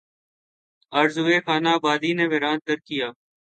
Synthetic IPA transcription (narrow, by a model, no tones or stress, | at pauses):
əɾzueːxaːnaːbaːd̪iːneːʋɪɾãːn̚t̪əɾkɪjaː